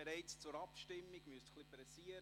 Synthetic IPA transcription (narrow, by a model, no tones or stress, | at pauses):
eɾɛɪt͡st͡sʊɾɑpʃtɪmːiɡ̥myəst̪χlipɾɛsiəɾ